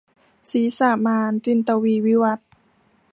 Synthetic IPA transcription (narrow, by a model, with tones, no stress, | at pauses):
siː˨˦saː˧˩maː˧nt͡ɕi˧˨nt̪a˧wiː˧wi˧˦wa˧˦˥t̪̚